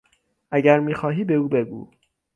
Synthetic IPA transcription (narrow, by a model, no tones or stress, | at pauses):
ʔæɟæɾmiːxɒːɦiːbe̞uːbe̞ɡṵː